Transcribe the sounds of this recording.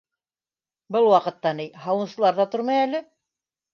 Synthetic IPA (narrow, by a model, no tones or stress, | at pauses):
bɤlˠwɑqɤ̆t̪ːɑnijhɑwɤ̆nsɤ̆lˠɑɾðɑt̪oɾmɑjælɘ